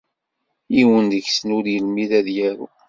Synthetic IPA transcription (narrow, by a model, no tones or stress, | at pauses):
iwənd̪əçsənʊɾjəlmiðæðjæɾṵ